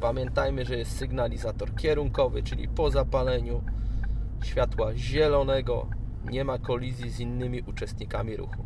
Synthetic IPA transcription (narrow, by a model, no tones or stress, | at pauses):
pamʲjɛnt̪ajmɘʐɛjɛst̪sɘɡnalʲizat̪ɔɾkʲjɛɾuŋkɔvɘt͡ʂɘlʲḭpɔzapalɛɲu | ɕfʲjat̪waʑɛlɔnɛɡɔ̰ | ɲɛmakɔlʲizʲjizinːɘmʲiʔut͡ʂɛst̪ɲikamʲiɾṵxu